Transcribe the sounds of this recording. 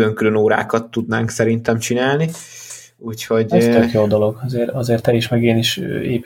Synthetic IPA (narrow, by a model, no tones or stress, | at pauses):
løŋkylø̞noːɾa̰ːkɒt̪ːud̪naːŋksɛɾint̪ɛmt͡ʃinaːlni | uːcho̞ɟst̪økjoːd̪olo̞ɡɒzeːɾɒzeːrt̪ɛliʃmɛɡeːniʃḛːp